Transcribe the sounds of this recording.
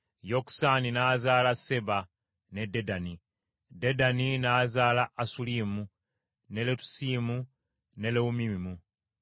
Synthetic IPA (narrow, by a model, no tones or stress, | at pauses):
joksaninaːzaːlase̞βa | ne̞de̞dani | de̞daninaːzaːlaʔːsulimu | ne̞letu̥siːmu | ne̞leumimimu